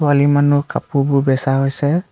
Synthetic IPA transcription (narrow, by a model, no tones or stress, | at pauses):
walimanukapububɛsaɦɔjsɛ